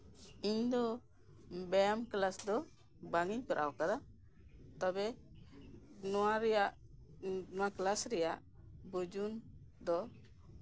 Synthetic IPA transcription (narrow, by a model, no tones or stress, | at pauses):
iɲd̪ɔ | bɛjamklasd̪ɔ | baŋiɲkɔɾʔa̰wkad̪a | t̪ɔbɛ | nɔwaɾɛjaʔ | nɔwaklasɾɛjaʔ | bud͡ʒun | d̪ɔ